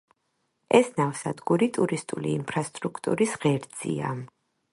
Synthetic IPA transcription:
ɛsnavsad̪ɡuɾit̪ʼuɾist̪ʼuliːmpʰɾast̪ʼɾukʰt̪ʼṵɾisʁɛɾd̪z̥ḭa̰

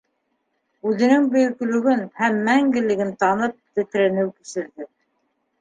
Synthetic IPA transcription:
ʉðɘ̆nɘŋbɵ̆jɵ̆kɵ̆lɵ̆ɡɵnhæmːæŋɡɘ̆lɘ̆ɡɘnt̪ɑnɤp̚t̪ɘ̆t̪ɾænɘwkisɘ̆ɾðɘ

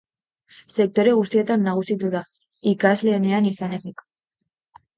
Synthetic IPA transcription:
se̞k̚t̪o̞ɾe̞ɣust̪ie̞t̪anːaɣ̞usit̪uða | ikazle̞ːne̞anisane̞t̪ik

